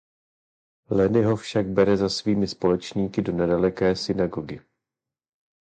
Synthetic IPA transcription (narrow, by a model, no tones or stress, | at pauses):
lɛnɪɦo̞fʃaɡ̚bɛɾɛzasviːmɪspo̞lɛt͡ʃɲiːkɪdonɛdalɛkɛːsɪnaɡoɡɪ